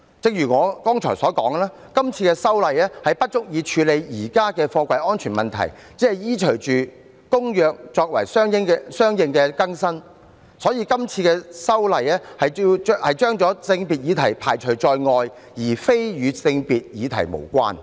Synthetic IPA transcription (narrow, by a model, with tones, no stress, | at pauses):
t͡sɪ˧ŋ̚jyː˨˩ŋɔː˨˧kɔː˥ŋt͡ʃʰɔː˨˩jsɔː˨˥kɔː˨˥ŋ˧laː˥ | kɐ˥mt͡sʰiː˧kɛː˧sɐ˥wlɐ˨jɛː˥hɐ˨jpɐ˥t̚t͡ʃʊ˥k̚jiː˨˧t͡ʃʰyː˨˧le˨˧jjiː˨˩kaː˥kɛː˧fɔː˧kʷɐ˧jʔɔː˥nt͡ʃʰyː˨˩mɐ˨nt̪ʰɐ̰˨˩j | t͡siː˨˦˥hɐ˨jjiː˥t͡ʃʰɵ˨˩ɥt͡ʃyː˨ | kʊ˥ŋjœː˨k̚t͡ʃɔː˧k̚wɐ̰˨˩jsœː˥ŋjɪ˥ŋɛsœː˥ŋjɪ˧ŋkɛː˧kɐ˥ŋsɐ˥n | sɔː˨˥jiː˧kɐ˥mt͡sʰiː˧kɛː˧sɐ˥wlɐ˨˧jɛː˥hɐ˨jhɐ˨jt͡ʃœː˥ŋt͡ʃɔː˨˥t͡sɪ˧ŋpi˨t̚jiː˨˧t̪ʰɐ˨˩jpʰa̰ː˨˩jt͡ʃʰɵ˨˩ɥt͡ʃɔː˧jŋɔː˧j | jiː˨˩fe˥jjyː˨˧t͡sɪ˧ŋpiː˨t̚jiː˨˧t̪ʰɐ̰˨˩jmo̰˨˩wkʷa̰ː˥n